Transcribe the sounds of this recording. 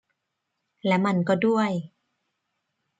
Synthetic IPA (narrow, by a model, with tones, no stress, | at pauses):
lɛː˦˥wma˧˩nkɔː˥˩du˥˩əj